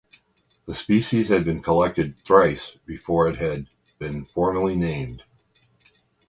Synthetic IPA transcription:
ðəspiʃiz̥ɨd̚bɨ̃nkʰəlɛk̚tɨd̪̚θɹaɪsb̥ɨfɔɹɨt̚ɦɨd̚ | bɨ̃nfɔɹmə˞lˠinẽɪ̃md̥

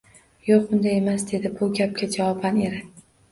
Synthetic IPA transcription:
joqbʊnd̪aje̞masd̪e̞d̪ɪbʊɡʲap̚kʲad͡ʒawɒbaneɾɪ

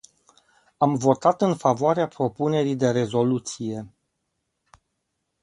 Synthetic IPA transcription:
amvo̞t̪at̪ɨnfavoaɾeapɾo̞pune̞ɾijd̪e̞ɾe̞zo̞lut̪sije̞

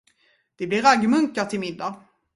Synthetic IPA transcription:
d̪̥ɛblɪɾaɡːmɵŋkaʈ̪ʰɪlmɪd̪ːa

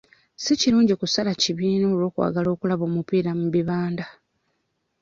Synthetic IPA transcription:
siciɾuːɲɟikusalaciβiːno̞ːlwo̞ːkwa̰ːɡalo̞ːkulaβo̞ːmupiːɾamuβiβaːnda

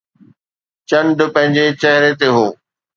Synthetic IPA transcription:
t͡ɕɐ̃ɳɖpɐ̃ɦɪ̃ɲd͡ʑet͡ɕɐɦɪɾet̪eɦoː

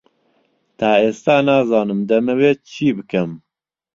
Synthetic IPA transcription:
t̪ʰæːeːst̪aːnæːzɑːnɨmd̪ɛmɨweːt͡ʃʰiːbɨkɛm

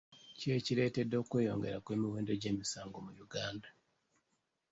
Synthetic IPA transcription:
ceciɾetedo̞ːkweːjo̰ŋɡeɾakwemiweːnde̞ɟeːmisaːŋɡomujuɡaːnda

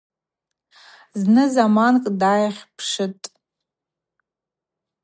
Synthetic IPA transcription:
znɨzamankʼdajχʲpʰʂɨtʼ

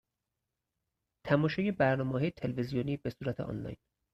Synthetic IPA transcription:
t̪ʰæmɒːʃɒːjebæɾnɒːmeːɦɒːjet̪ʰe̞levezijoniːbe̞suːɾæt̪ʰeʔɒ̰nlɒ̰jn

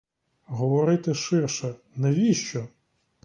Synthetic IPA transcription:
ɦɔʋɔɾɪt̪ɪʃɪrʃɛ | nɛʋʲiʃt͡ʃɔ

